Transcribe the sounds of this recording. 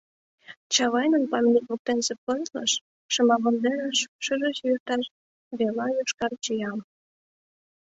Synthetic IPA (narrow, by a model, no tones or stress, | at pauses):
t͡ɕɑβɑjnənpɑmʲnʲikβuk̚t̪ensepəzlə̰ʃː | ə̆mɑβəld̪eɾəʃʃəʒə̆ʃjyrt̪ɑʃ | βelɑjuʃkɑrt͡ɕijɑm